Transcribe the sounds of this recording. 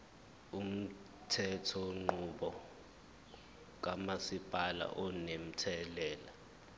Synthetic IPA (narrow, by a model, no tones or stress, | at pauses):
um̩ | tʰɛtʰɔŋ͡ǃuɓɔ | k̬amasipʼala̰ʔɔnem̩tʰɛlɛːla